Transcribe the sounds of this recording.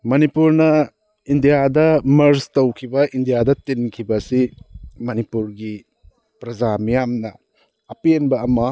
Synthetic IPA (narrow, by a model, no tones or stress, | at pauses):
mɐnipuɾnɐ | indijadɐmɐɾstɐwkʰibɐʔindijadɐtinkʰibɐsimɐnipuɾɡi | pɾɐd͡ʒamijamnɐ | ɐpienbɐːmɐ